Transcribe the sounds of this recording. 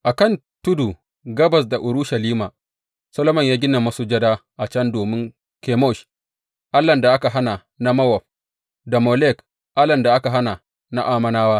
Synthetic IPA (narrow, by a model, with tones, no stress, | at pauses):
ʔa˨kɐ˦˨n | tʊ˦du˨ | ɡɐ˦bɐ˨s̬da˨ʔʊ˨ɾu˦ʃa˨liː˦ma˨ | sɐ˦lo˦mɐ˦˨ɲjaː˦ɡʲɪ˦na˨ma˦su˨d͡ʒɐ˦daː˦ʔa˨t͡ʃɐ˦ndoː˨mɪ˦ŋ | ke˨mɔ˦˨ʃ | ʔa˦lːɐ˨nda˨ʔa˦ka˨ɦa˦na˨ | na˦mɐ˦wɔ˨ɸ̚ | da˨mo˨lɛ˦˨k | ʔa˦lɐ˨nda˨ʔa˦ka˨ɦa˦na˨ | na˦ʔaː˦mɐ˦naː˦waː˦